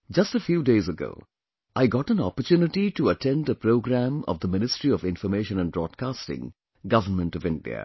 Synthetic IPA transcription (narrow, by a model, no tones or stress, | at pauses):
d͡ʒʌstəfjuːdeɪzəɡo̰ʊː | ʔaɪɡɔʈə̃nɔ̰pəɾtjuːnɪʈituətʰɛ̃nɖəpɾoʊɡɾæ̃mɔ̰vd̪əmɪnɪstɹiɔvɪ̃nfəɾmeɪʃə̃nə̃nbɾɔːd̚kaːstɪ̰̃ŋ | ɡʌvəmə̃ntɔvɪ̃ndḭə̰